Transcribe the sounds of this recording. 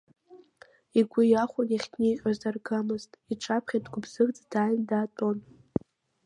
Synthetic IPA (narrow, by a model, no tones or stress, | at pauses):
iɡʷʊjaχʷʊniχʲtʰʼnijqʲʷʼazarɡamɨztʼiʈ͡ʂʰapʰχʲadɡʷʊbz̥ɨrd͡zdaːjndaːtʼon